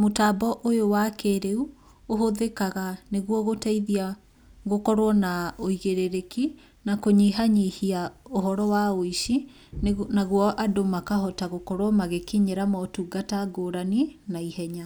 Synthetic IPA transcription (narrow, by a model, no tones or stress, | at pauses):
motaːbɔʔojowakeːɾeu | oɦoðekaɣaneɣwɔɣotaiðia | ɣokɔɾwɔnaoiɣeɾeɾeki | nakoɲiɦaɲehiaoɦɔɾɔwaoiʃi | naɣwɔʔadomakaɦɔtaɣokɔɾwɔmaɣekiɲeɾamɔtuɡataɡoːɾaninaihɛɲa